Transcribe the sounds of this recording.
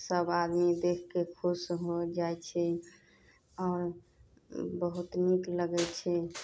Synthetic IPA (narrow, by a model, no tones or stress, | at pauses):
səbad̪mid̪ekʰkekʰusɦod͡ʒaɛt͡ʃʰɛ | ɔːɾ | bəɦut̪nikləɡɛt͡ʃʰɛ